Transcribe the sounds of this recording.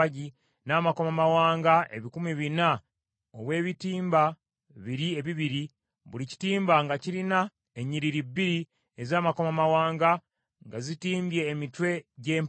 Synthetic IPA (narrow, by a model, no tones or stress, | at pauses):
ɟi | naːmakomamawaːŋɡae̞̰βikumiβina | oβwe̞ːβitiːmba | βiɾie̞βiβiɾi | βulici̥tiːmbaŋɡaciɾina | eɲiɾiɾibːiɾi | ezaːmakomamawaːŋɡa | ŋɡazitiːmbje̞ːmitwe̞ɟeːm